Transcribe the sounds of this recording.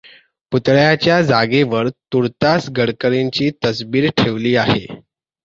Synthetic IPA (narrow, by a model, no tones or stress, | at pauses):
put̪ɭjat͡ɕjad͡zaɡeʋəɾt̪uɾt̪asɡəɽkəɾeɲt͡ɕiːt̪əsbiːɾʈʰeʋliːaɦḛ